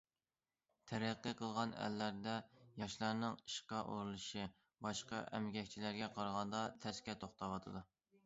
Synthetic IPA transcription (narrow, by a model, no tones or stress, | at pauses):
t̪ʰɛɾæqːiqʰəlˠʁɑnæ̰lːæɾd̪ɛjɑʃlˠɑɾnɨŋiʃqɑʔo̰ɾulˠɨʃi | bɑʃqɑ̰ʔɛ̰mɡʲɛkʲt͡ʃʰilæɾɡʲɛqʰɑɾʁɑnd̪ɑt̪ʰɛskʲɛt̪ʰoχt̪ʰɑwɑt̪ʰɨd̪u